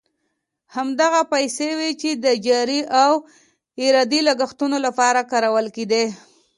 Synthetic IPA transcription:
hamd̪aɣapajsewet͡ʃed̪əd͡ʒɑɾiʔaw | ɪɾɑd̪ilaɡaxt̪unolapɑɾakɑɾawəlked̪e

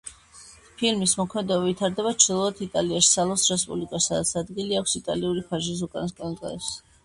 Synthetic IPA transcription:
pʰilmismɔkʰmɛd̪ɔbɛvit̪ʰaɾd̪ɛbat͡ʃʰd̪ilˠɔat̪ʰit̪ʼaliaʃi̥salˠɔsɾɛspʼublikʼassad̪at̪sʰad̪ɡiliakʰʷsit̪ʼa̰liuɾipʰaʒis̬ukʼanaskʼanɔd̪ʼqʼa̰d̪ɛps

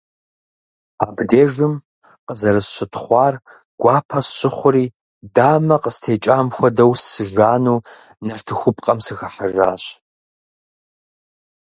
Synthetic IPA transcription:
aːbdeːʒɨm | qəzɐɾɨsɕʷɪtʰχʷɑːr | ɡ̥ʷɑːpʰɐsɕɪχʷʊɾiː | daːmɐqəstʰeːt͡ʃʼaːmxʷɐdɐwsːɨʒʷaːnuːnɐrtʰɨxʷʊpʼqʼɐmsɨɣɐħaʒa̰ːɕ

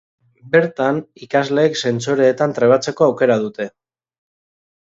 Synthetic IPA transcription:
be̞ɾt̪anikazle̞ːkse̞nt͡soɾe̞ːt̪ant̪ɾe̞β̞at͡se̞ko̞awke̞ɾað̞ut̪e̞

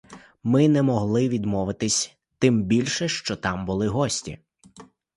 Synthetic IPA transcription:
mɪnɛmɔɦlˠɪʋʲid̪mɔʋɪt̪ɪsʲ | t̪ɪmbʲilʲʃɛʃt͡ʃɔt̪ɑmbʊlˠɪɦɔsʲtʲḭ

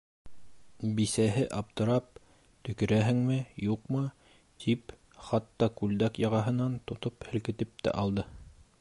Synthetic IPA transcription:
bisæɦɘʔɑp̚t̪ɤ̆ɾɑp̚ | t̪ɵ̆kɘ̆ɾæɦɘ̆ŋmɘjuqmɤ | t̪ʰip | χɑt̪ːɑkʉld̪ækjɑʁɑɦɤ̆nɑnt̪ŏt̪ophɘ̆lkɘ̆t̪ɘp̚t̪æ̰ʔɑlˠd̪ɤ

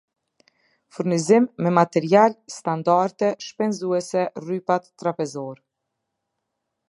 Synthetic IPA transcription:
fuɾnizimːɛmat̪ɛɾialst̪and̪aɾt̪ɛʃpɛnzuɛsɛrypat̪ːɾapɛzɔɾ

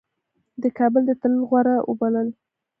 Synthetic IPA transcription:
d̪əkɑbəld̪ət̪əlɣwaɾaʔʊ̰baləl

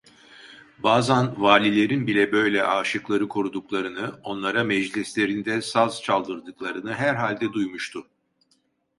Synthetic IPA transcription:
baːzanvaːlʲilʲe̞ɾinbilʲɛbø̞jlʲɛʔaːʃɯklˠaɾɯkʰoɾud̪uklˠaɾɯnɯo̞nlˠaɾamɛd͡ʒlʲislʲe̞ɾind̪ɛsazt͡ʃʰalˠd̪ɯɾd̪ɯklˠaɾɯnɯɦæɾɦalʲd̪ɛd̪ujmuʃt̪ʰʊ

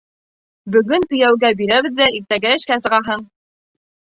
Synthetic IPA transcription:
bɵ̆ɡɵnt̪ɵ̆jæwɡæbiɾæβɘ̆ðːæiɾt̪æɡæɘ̆ʃkæs̬ɤ̆ʁɑɦɤɴ

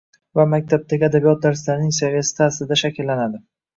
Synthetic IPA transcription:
vamak̚ʲt̪ʰab̚t̪ʰaɡʲɪad̪abijɒt̪̚d̪aɾɪslaɾɪnɪŋsavijasɪ̥t̪ʰaslɪd̪aʃakʲɪlːanad̪ɪ

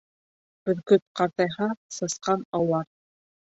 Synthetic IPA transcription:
bɵ̆ðkɵt̪̚qɑɾt̪ɑjɦɑsɤ̆sqɑnɑwlˠɑɾ

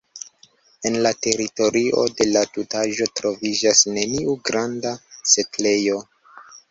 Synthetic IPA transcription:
e̞nlate̞ɾito̞ɾʔiʔo̞̰de̞latutaʒo̞tɾo̞vid͡ʒasne̞niuɡɾandase̞tle̞jo̞

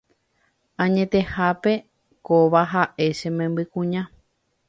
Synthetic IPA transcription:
ãɲẽ̞t̪e̞hape̞ | koʋaɦaʔe̞ʃẽmẽmbɨkũɲã

